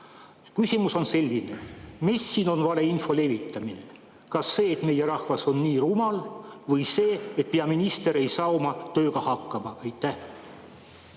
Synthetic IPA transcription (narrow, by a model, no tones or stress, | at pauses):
kysʲimuso̞nse̞lʲːine̞misːiːno̞nvɑle̞info̞le̞vit̪ːˑɑmine̞ | kɑsːe̞ːt̪me̞jeɾɑhvɑso̞nːiːrumɑlvɤjse̞ːet̪̚peɑminist̪e̞ɾe̞jsɑːomɑt̪ø̞ːɡ̥ɑhɑkːˑɑmɑʔejt̪ːæh